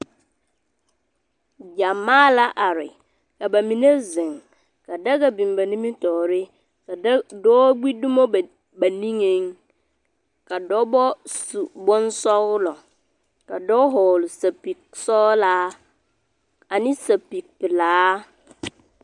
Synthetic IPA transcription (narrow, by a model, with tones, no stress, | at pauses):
d͡ʒa˨maː˦la˦ʔa˨ɾɪ̰˨ | ka˨ba˨mĩ˨ne˦zɪ˨ŋ | ka˨da˦ɡa˨bĩ˨mba˨nĩ˦mi˦tɔː˨ɾɪ˦˨ | dɔː˦ɡ͡bi˦du˦mo˦˨ | ba˨nĩ˦ŋe˦ŋ | ka˨dɔ˦bɔ˦su˨bɔ˦nsɔ˦ɣlɔ˨ | ka˨dɔ˦ɦɔː˨lʊ˨sa˨pi˨k̚sɔː˦la˦ | a˨nɪ̃˦sa˨pi˨k̚pɪ˨laː˨˦